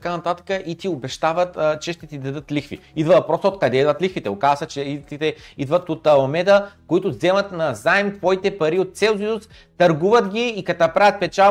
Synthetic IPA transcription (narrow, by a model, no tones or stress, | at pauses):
t̪ɐkanɐt̪at̪ə̥kəʔit̪iobɛʃt̪avət̪t͡ʃɛʃt̪ɛt̪id̪ɐd̪ɤt̪lixfḭid̪vəɐpɾɔst̪oot̪̚kɐd̪ɛid̪vət̪lixfit̪ɛokazsɐt͡ʃɛit̪it̪ɛid̪vət̪ot̪ɐlɐmɛd̪əkoit̪ʊzɛmət̪nɐzaɛmt̪vɔit̪ɛpɐɾiot̪̚t̪sɛlˠzius | t̪ɐɾɡuvət̪ɡʲiːkɐt̪apɾavʲət̪̚pɛt͡ʃa